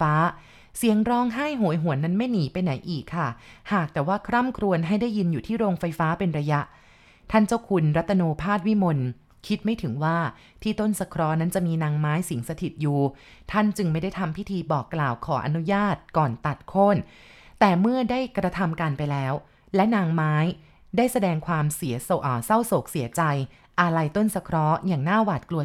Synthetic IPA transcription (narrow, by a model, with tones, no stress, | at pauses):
aː˦˥ | si˨˩˦əŋɾɔː˦˥ŋɦa˥˩jɦu˨˩˦jɦu˨˩˦ənːa˦˥nma˥˩jniː˨˩˦pa˧jna˩˦jʔiː˨˩kʰːa˥˩haː˨˩k̚t̪ɛː˨˩waː˥˩kʰɾa˥˩mkʰɾu˧ənɦa˥˩jda˥˩jːi˧njuː˨˩t̪ʰiː˥˩ɾoː˧ŋfa˧jfaː˦˥pe˧nɾa˧ja˦˥ʔ | t̪ʰa˥˩nt͡ɕa˥˩wkʰu˧nɾa˦˥t̪ːa˧noː˧pʰaː˥˩t̪̚wi˦˥mo˧n | kʰi˦˥t̪̚ma˥˩jt̪ʰɯ˩˦ŋwaː˥˩ | t̪ʰiː˥˩t̪o˥˩nsa˧kʰɾɔː˦˥na˦˥nt͡ɕa˨˩ʔmiː˧naː˧ŋmaː˦˥jsi˩˦ŋsa˧t̪ʰi˨˩t̪̚juː˨˩ | t̪ʰa˥˩nt͡ɕɯ˧ŋma˥˩jda˥˩jt̪ʰa˧mpʰi˦˥t̪ʰiː˧bɔː˨˩kːlaː˨˩wkʰɔː˩˦ʔa̰˧nu˦˥jaː˥˩t̪̚kɔː˨˩nt̪a˨˩t̪̚kʰo˥˩n | t̪ɛː˨˩mɯ˥˩ɐdaː˥˩jkɾa˧t̪ʰa˧mkaː˧npa˧jlɛː˦˥w | lɛ˦˥naː˧ŋmaː˦˥j | daː˥˩jsa˧dɛː˧ŋkʰwaː˧msi˨˩˦ɐsʔːsa˥˩wso˨˩k̚si˩˦ɐt͡ɕa˧j | ʔa˧ɾa˧jt̪o˥˩nsa˧kʰɾɔ˦˥jaː˨˩ŋnaː˥˩waː˨˩t̪̚klu˧ə˧